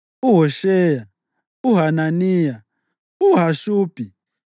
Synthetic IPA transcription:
uɦoʃɛja | uɦananiːja | uɦaʃuːpʼi

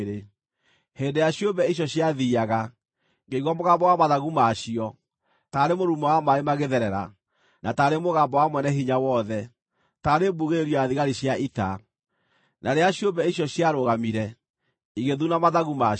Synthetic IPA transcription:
ɾe | heːndejaɕjobɛiɕ̬jɔɕjaðiaɣa | ŋɡeiɣwamoɣambɔwamaðaɣumaɕiɔ | taɾemoɾumɔwamaemaɣeðɛɾɛɾa̰ | nataːɾemoɣambɔwamwɛnɛɦiɲawɔðɛ | taːɾebuɣeɾeɾiɔaðiɣaɾiɕjaʔita | nʔaɾeaɕjobɛiɕ̬jɔɕjaɾoɣamiɾɛ | iɣeðunamaðaɣuma

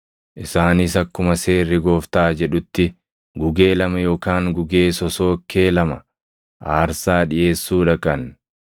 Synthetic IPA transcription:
ʔɪsaːnisɐkːʊmɐse̞ːrːɪɡo̞ːft̪aːd͡ʒɛᶑʊt̪ːɪ | ɡʊɡe̞ːlɐmɐjo̞ːkaːŋɡʊɡe̞ːsɔso̞ːkʰːeːlɐmɐ | ʔaːɾsaːᶑɪʔe̞ːsːuːᶑɐkʼɐn

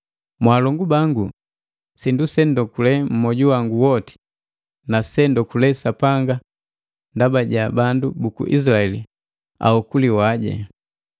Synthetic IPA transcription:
mwaːlɔŋɡubaŋɡu | sindusɛndɔkulɛm̩mɔɟuwaŋɡuwɔti̥ | nasɛndɔkulɛsapaŋɡa | ndabaɟabandubukṵʔḭs̬laɛlḭ | a̰hɔkuliwaɟɛ̰

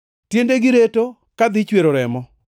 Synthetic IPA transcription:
tjendeɡɪɾeto | kad̪ɪt͡ʃweɾoɾɛmɔ

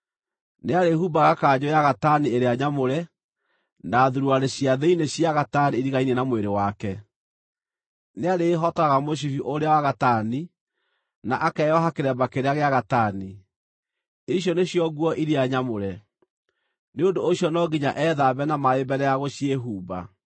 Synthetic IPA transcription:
neaɾehubaɣakaːɲojaɣatanieɾeaɲamoɾɛ | naðuɾuaɾeɕiaðeineɕiaɣataniiɾiɣainenamweɾewakɛ | neaɾeːɦɔtɔaɣamoɕ̬ifiʔoɾeawaɣatani | naʔakɛjɔɦakeɾɛbakeɾeaɣeaɣatani | iɕjɔneɕjɔɣwɔʔiɾiaɲamoɾɛ | neondoːɕjɔnɔɡiɲa̰ʔɛːðaβɛnamaebɛɾɛjaɣoɕieɦuːba̰

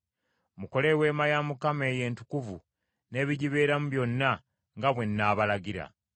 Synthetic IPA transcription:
muko̞le̞we̞ːmajamukame̞ːje̞ːntukuvu | ne̞ːβiɟiβe̞ːɾamuβjo̞nːa | ŋɡaβwe̞nːaːβalaɡiɾa̰

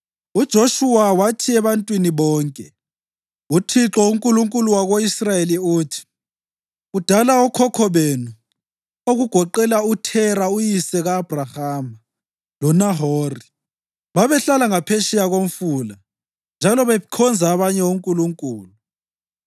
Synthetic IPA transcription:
ud̥ʒ̥ʱoʃuwawatʰiɛβantʼwiniβɔːŋkʼɛ | utʰiǁɔuŋkʼuluŋkʼuluwaɣoisrajeliutʰi̥ | ud̥ʱalaɔkʰɔkʰɔβenu | oɣuɡ̥ʱɔǃɛlautʰɛɾaujisɛɣaːb̥ʱrahaːma | lɔnaɦoːri | βaβɛɬalaŋapʰeʃijaɣom̩fuːla | nd͡ʒʱalɔβɛkʰɔnd͡zʱaːβaɲɛuŋkʼuluŋkʼṵːlu

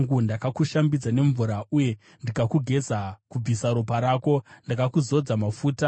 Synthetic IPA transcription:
ŋɡundakakuʃambid͡zane̞ɱvuɾauje̞ | ndikakuɡʱe̞d͡zakub͡visaɾupaɾaːko̞ndakakuzo̞d͡zamafuːta

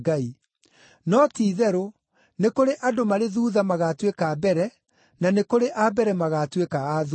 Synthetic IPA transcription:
ɡai | nɔtiːðɛɾo | nekoɾeʔadomaɾeðuːðamaɣatwekabɛɾɛ | nanekoɾeʔabɛɾɛmaɣaːtwekaːð

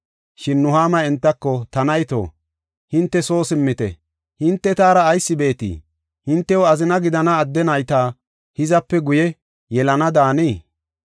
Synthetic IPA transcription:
ʃɪnːʊhaːmɐɛnt̪ːɐkːɔt̪ɐnɐjt̪o̰ː | hɪnt̪ːɛso̞ːsɪmːɪt̪ɛ̰ | hɪnt̪ːɛt̪aːɾɐːjsːɪbe̞ːt̪ḭː | hɪnt̪ːɛwɔɐzɪnɐɡɪd̪ɐnɐːd̪ːɛnɐjt̪aː | hɪzɐpːɛɡʊjɛ | jɛlɐnɐd̪aːniː

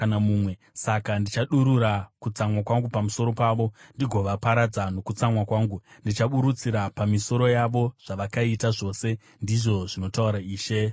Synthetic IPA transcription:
anamumwe̞ | sakandit͡ʃaɗuɾuɾakut͡samwakwaŋɡupamuso̞ɾo̞paːʋo̞ndiɡʱo̞ʋapaɾad͡zano̞kut͡samwakwaːŋɡundit͡ʃaɓuɾut͡siɾapamiso̞ɾo̞jaʋo̞ʐ̥aʋakaitaʐo̞ːse̞ | ndiʐo̞ʐino̞tauɾaiːʃe̞

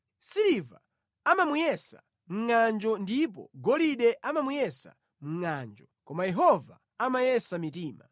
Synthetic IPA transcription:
siɾiva | amamujɛsa̰ | m̩ŋand͡ʒɔndip̬ɔ̰ɡɔliɗɛʔamamujɛsa̰ | m̩ŋand͡ʒɔkɔmajɛɦɔva̰ | amajɛsamitiːma̰

